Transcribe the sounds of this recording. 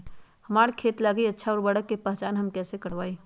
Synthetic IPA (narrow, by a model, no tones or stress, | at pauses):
hɐmaːɾkʰeːt̪laːɡiɐtːʃʰaɔːɾbɐɽəkːepɛɦt͡ʃaːnɦɐmkɛːsekɐɽʋaːi